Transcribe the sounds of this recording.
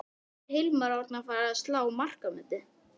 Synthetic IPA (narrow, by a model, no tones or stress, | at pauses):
hɪlmaɾaɾt̪nafaːɾaðst̪laːwmar̥kamʏt̪ʏ